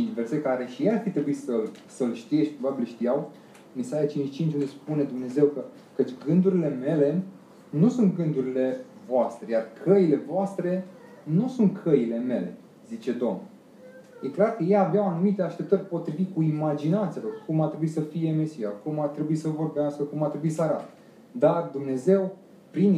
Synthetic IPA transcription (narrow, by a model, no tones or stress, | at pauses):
t͡ʃinʲveɾsekaɾe̞ʃijearfit̪ɾe̞buisəlsəlʃt̪ije̞ʃt̪̚ʲpɾobabilʃt̪ijaw | misajat͡ʃint͡ʃt͡ʃint͡ʃʲund̪espune̞d̪umne̞ze̞wkə | kət͡ʃʲɡɨnd̪uɾile̞me̞le̞ | nusunt̪̚ɡɨnd̪uɾile̞ | voast̪ɾe̞jarkʰəile̞voast̪ɾe̞ | nusunt̪̚kʰəile̞me̞le̞̰ | zit͡ʃe̞d̪o̞mn | je̞klarkəjejabeawanumit̪e̞aʃt̪e̞p̚t̪ərʲpo̞t̪ɾivit̪̚kuimad͡ʒinat̪sijalo̞rkumart̪ɾe̞buisəfije̞me̞sijakumart̪ɾe̞buisəvo̞rbeaskəkumart̪ɾebuisəaɾa̰t̪ | d̪ard̪umne̞ze̞w | pɾin